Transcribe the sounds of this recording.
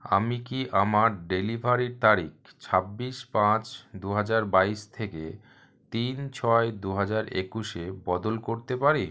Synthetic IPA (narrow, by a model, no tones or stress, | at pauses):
a̰mikiʔamaɾɖelibʱaɾiɾt̪aɾik | t͡ɕʰabːiʃpãt͡ɕd̪uɦad͡ʑaɾbaiʃt̪ʰekḛ | t̪int͡ɕʰɔed̪uɦad͡ʑaɾḛkuʃebɔd̪olkoɾt̪epaɾi